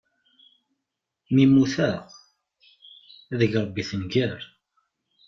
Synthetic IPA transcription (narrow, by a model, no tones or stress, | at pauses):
mimuθæʁ | æðəʝɾˤəbːiθənɡæɾ